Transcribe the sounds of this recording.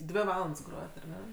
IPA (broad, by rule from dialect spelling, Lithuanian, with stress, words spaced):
ˈdʲʋʲɪ ˈʋɑːlˠɐnts ˈɡroːjɛt ɐr ˈnʲɛ